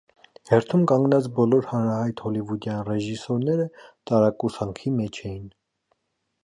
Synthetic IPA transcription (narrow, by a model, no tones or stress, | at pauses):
hɛɾt̪ʰumkɑŋɡnɑt͡sbɔlɔɾhɑnɾɑhɑjt̪hɔlivud̪jɑnrɛʒisɔɾnɛɾət̪ɑɾɑkusɑŋkʰimɛt͡ʃʰɛjin